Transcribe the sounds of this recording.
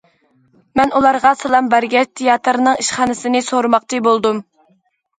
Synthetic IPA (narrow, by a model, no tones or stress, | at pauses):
mɛnulˠɑɾʁɑsɑlˠɑmbæɾɡʲɛt͡ʃ̚t̪ʰejɑt̪ɾnɨŋiʃχɑnɨsɨnɨsoɾmɑq̚t͡ʃʰibolˠd̪um